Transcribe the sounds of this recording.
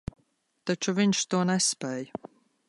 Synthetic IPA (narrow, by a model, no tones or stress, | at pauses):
t̪at͡ʃuviɲʃt̪uɔnɛspɛːj